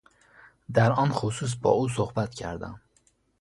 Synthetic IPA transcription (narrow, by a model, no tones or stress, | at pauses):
d̪æɾɒnxosuːs̬bɒ̰ːuːs̬ohbæt̪cʰæ̰ɾd̪æ̰m